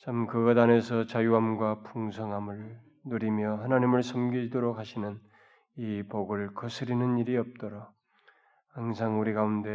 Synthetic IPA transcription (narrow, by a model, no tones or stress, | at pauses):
t͡ɕʰamkɯɡʌdane̞sʰʌt͡ɕajuɦamɡwapuŋsʰʌŋɦamɯɭ | nuɾimjʌhanaɲimɯɭsʰʌmɡiidoɾok̚ɦaɕʰinɯn | ipoɡɯɭkʌsʰɯɾinɯniɾiʌp̚t͈ʌɾa | haŋsʰaŋuɾiɡaunde̞